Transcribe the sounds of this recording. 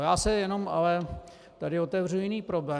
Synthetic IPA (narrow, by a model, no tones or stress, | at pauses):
jaːsɛjɛno̞ma̰lɛ | t̪adɪot̪ɛvr̝uujɪniːpɾoblɛː